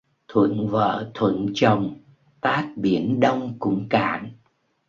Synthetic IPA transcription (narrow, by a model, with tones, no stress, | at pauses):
t̪ʰwə̰˧˨nvə̰ː˧˨t̪ʰwə̰˧˨nt͡ɕə˨˩wŋ͡m | t̪aː˦˥t̚ɓi˧˩ənɗə˧wŋ͡mkʊ̰˧˥ŋ͡mka̰ː˧˩n